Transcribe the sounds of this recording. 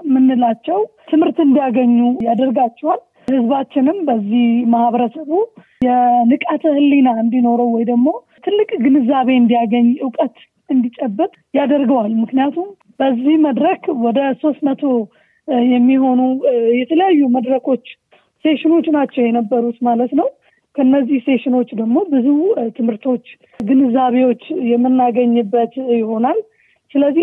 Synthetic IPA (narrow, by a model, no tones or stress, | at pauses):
mɨnːɨlat͡ʃːɛw | t̪ʰɨmhɨɾt̪ɨnd̪ijaɡəɲːujad̪əɾɡat͡ʃːɛwal | hɨzbat͡ʃːɪnɨmbəzːihmahβəɾəsəβu | jɛnɨkʼat̪ʰəhɨlːinaɨnd̪ino̞ɾəwwɔjd̪əɡmo̞ | t̪ʰɨlːɨkʼɡɨnɨzːaβe̞ɨnd̪ijaɡəɲːʔɨwkʼət̪ | ɨnd̪it͡ʃʼɛbːɨt̪ʼjad̪əɾɡəwalmɨknijat̪ʰum | b̥əzːihməd̪ɾəkwɔd̪əso̞st̪mət̪ʰo̞ | jɛmːiɦo̞nujɛt̪ʰələjajːuməd̪ɾəkʰo̞t͡ʃː | se̞ʃɪno̞t͡ʃːnat͡ʃːɛwjɛnəbːəɾut̪malət̪nəw | kʰəɨnːəzːihse̞ʃɪno̞t͡ʃːd̪əɡmo̞bɨzut̪ʰɨmhɨɾt̪ʰo̞t͡ʃː | ɡɨnɨzaβe̞wo̞t͡ʃːjɛmːɨnːaɡəɲːɨbːət̪jɪho̞nal | sɨləzːih